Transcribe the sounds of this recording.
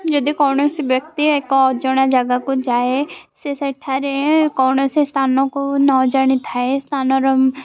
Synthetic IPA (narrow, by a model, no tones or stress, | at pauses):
d͡ʒɐd̪ikɔːnosibjək̚t̪iekoɔd͡ʒɔɽ̃ad͡ʒɐɡakod͡ʒaːesesɐʈʰaɾekɔːnosest̪ʰaːnõkonɔːd͡ʒəɽ̃ĩt̪ʰaest̪ʰaːnoɾɐm